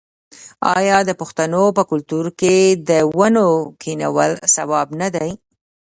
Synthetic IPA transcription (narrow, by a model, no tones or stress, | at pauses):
ɑ̰jɑd̪əpʊxt̪anopəkʊlt̪uɾked̪əwanokʰina̰wə̰lsawɑbnad̪aj